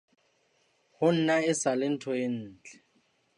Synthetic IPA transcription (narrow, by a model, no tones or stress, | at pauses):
hʊn̩naɪsalɪn̩tʰɔjɪn̩ːt͡ɬʼɛ̥